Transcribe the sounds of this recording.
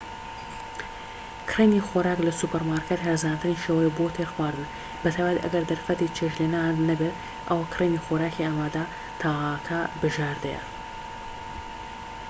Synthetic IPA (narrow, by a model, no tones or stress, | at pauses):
kʰrenixoɾaːklɐsupeɾmaɾkʰet̪ɦɐɾzaːnt̪ɨniʃeːwɐjbot̪ʰeɾxwaːɾd̪ɨn | bɐt̪ʰaːjbat̪iʔɐ̰ɡɐɾd̪ɐɾfɐt̪it͡ʃʰeʃlenanɐbet̪ | ʔɐwakʰrenixoɾaːkiaːmaːd̪a | t̪ʰaːakʰɐbɨʒaɾd̪ɐ̰jɐ̰